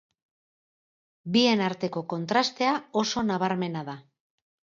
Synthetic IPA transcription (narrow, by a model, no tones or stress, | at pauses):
bie̞naɾt̪e̞ko̞ko̞nt̪ɾast̪e̞ao̞so̞naβ̞aɾme̞naða